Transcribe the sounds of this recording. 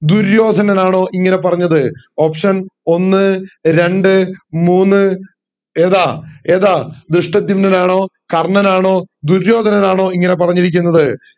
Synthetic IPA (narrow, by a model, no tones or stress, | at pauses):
d̪uɾjo̞ːd̪ʱɐnɐnaːɳo̞ːʔiŋːɐne̞pɐrɐɲːɐðɨ | o̞ːpʂɐno̞nːɨɾe̞ɳɖɨmuːnːɨ | eːðaːe̞ːðaːd̪ɾɨʂʈɐd̪ːumnɐnaːɳo̞ː | kɐrɳɐnaːɳo̞ːd̪uɾjo̞ːd̪ʱɐnɐnaːɳo̞ːiŋːɐne̞p̬ɐrɐɲːiɾikʲːunːɐðɨ